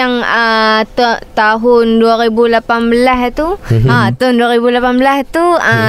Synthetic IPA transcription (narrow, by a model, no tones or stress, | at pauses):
aŋət̪t̪aɦʊnduaɾibulapanbəlast̪uat̪aʊnduaɾibulapanbəlaht̪uə